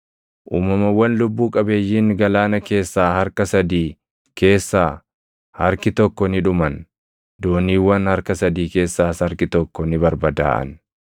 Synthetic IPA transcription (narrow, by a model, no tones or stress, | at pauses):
ʔuːmɐmɐwːɐnlʊbːuːkʼɐbe̞ːjːiːŋɡɐlaːnɐke̞ːsːaːhɐɾkɐsɐd̪iː | ke̞ːsːaː | hɐɾkɪt̪ɔkːɔnɪᶑʊmɐn | d̪oːniːwːɐnhɐɾkɐsɐd̪iːke̞ːsːaːsɐɾkɪt̪ɔkːɔnɪbɐɾbɐd̪a̰ːʔɐ̰n